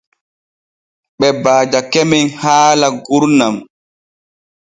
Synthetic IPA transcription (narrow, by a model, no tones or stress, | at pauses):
ɓɛbaːd͡ʒakɛmɛnhaːlaɡuɾnam